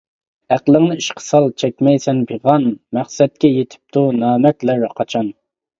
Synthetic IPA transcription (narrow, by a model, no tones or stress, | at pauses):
æqlˠəŋnɨiʃqʰə̥sɑlˠt͡ʃʰɛkʲmɛjsɛnbeʁɑnmæχsɛt̪̚kʲɛjet̪ʰɪ̥p̚t̪ʰunɑːmɛk̪ʲlæɾqʰɑt͡ʃʰɑn